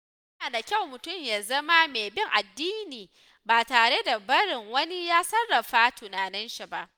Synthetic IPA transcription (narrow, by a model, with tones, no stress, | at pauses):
jnaː˨da˨kʲa˦˨wmʊ˨tʊ˦˨mjaː˨zɐ˦ma˦meː˨bɪ˦ŋʔa˨dːiː˦niː˨ | baː˨taː˨ɽe˦da˨bɐ˦ɽɪ˨ŋwɐ˦ni˦jaː˦sɐ˦rːɐ˨ɸaː˦tʊ˨naː˨nɪ˦nʃi˨ba˦ʔ